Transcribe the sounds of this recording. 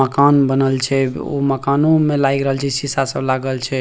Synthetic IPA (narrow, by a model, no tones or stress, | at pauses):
əkanbənəlt͡ʃʰɛo̰məkanomelajɡɾəɦəlt͡ʃʰɛsisasəblaɡəlt͡ʃʰɛ